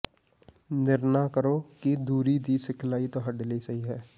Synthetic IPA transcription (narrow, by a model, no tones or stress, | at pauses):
nɪɾnakəɾoːkid̪uːɾid̪iːsɪkʰlaːit̪oɦɐɖɪlisɐɦiɦɛː